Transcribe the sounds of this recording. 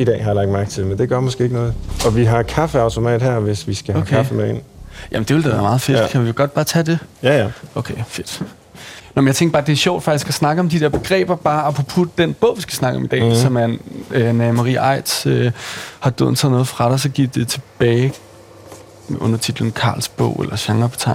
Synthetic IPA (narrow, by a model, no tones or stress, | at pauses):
id̥ɛ̰ːhɑjɑlɑ̈ɡ̥̚d̥mæɐɡ̥t͡sʰe̝lmend̥e̝ɡ̥ɶɐ̰mɔsɡ̥e̝ːeɡ̥nɔ̽ːð̩ˠɒ̽ʋiɦɑ̈kʰɑfəɑ̈ʊt͡sʰo̝mɛ̰ːd̥hæɐ̰ʋe̝sʋisɡ̥æhokʰeɑfəmeen̰jæ̰mn̩d̥eʋeld̥æʋæːɐmɑ̈ːð̞̩ˠfe̝d̥kʰæʋiʋɡ̥ɒ̽d̥̚b̥ɑ̈ːt͡sʰæde̝ | ʔokʰefe̝d̥ | nɑmnjɑt͡sʰeŋɡ̥ɐ̥b̥ɑ̈ːd̥e̝æɐɕɒ̰ʊ̰d̥fɑ̈ɡ̥isɡ̥æsnɑ̈ɡ̥əɒ̽md̥id̥eɐb̥e̝ɡ̥ʁɛ̰ːb̥ɐb̥ɑ̈ːæpʰʁopʰud̥̚d̥enb̥ɔ̽ʊ̰ʋisɡ̥æ̥snɑ̈ɡ̥əɒ̽mid̥ɛ̰ːsɒ̽mæønɛmɑʁḭːʔɑ̈ɪ̰d̥søhɑ̈d̥ø̰ðˠnt͡sʰɛ̰ð̩̰ˠnɔð̩ˠfʁɑ̈ɾ̥ɑsɒ̽ɡ̥i̥d̥e̝t͡sʰe̝b̥ɛːɪ | ɔ̽n̰ɐt͡sʰid̥ln̩kʰɑ̰̈ːlsb̥ɔ̰̽ʊ̰elʔɐɕɑ̈ŋɐpʰɒ̥t͡sʰɑ̈ɪ